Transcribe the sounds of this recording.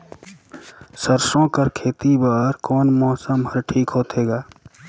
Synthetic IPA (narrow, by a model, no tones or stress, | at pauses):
səɾsõkəɾkʰeːt̪ibaːɾkɔːnmɔːsəmɦəɾʈʰiːkɦoːt̪eːɡaː